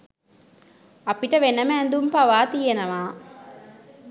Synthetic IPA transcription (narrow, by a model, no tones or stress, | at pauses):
ɐpiʈɐʋenɐmːnd̪umpɐʋaːt̪ijenɐʋaː